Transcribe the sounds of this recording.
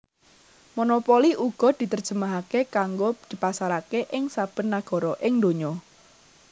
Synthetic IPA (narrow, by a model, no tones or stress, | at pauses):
monopɔliʔuɡ̥ɔ̤d̪̥i̤t̪ərd̥ʒ̥ə̤maɦakekaŋɡod̪̥i̤pasaɾakeʔɪŋsab̥ə̤nːaɡ̥ɔ̤ɾɔʔɪŋd̪oɲɔ